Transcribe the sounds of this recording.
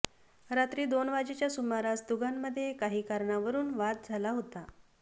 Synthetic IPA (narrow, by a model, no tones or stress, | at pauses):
ɾat̪ɾiːd̪onʋad͡ʑet͡ɕjasumaɾasd̪uɡʱamːəd̪ʱːjekaɦiːkaɾɳaʋəɾuːnʋat̪̚d͡zʱalaɦot̪a